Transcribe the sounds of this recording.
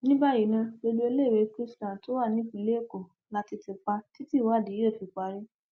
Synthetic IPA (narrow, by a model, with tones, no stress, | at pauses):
nĩ˦ba˦ji˨˦nã˧bo˧lu˦e˧le˦˨ɾe˧˦kɾi˦stã˨to˨˦wa˦˨nĩ˦bĩ˧˦le˦˨ko˨ | la˧ti˧te˧k͡pa˧ti˦ti˦˨wa˦˨di˨˦e˦˨fi˧k͡pa˨˧˦ɾi˦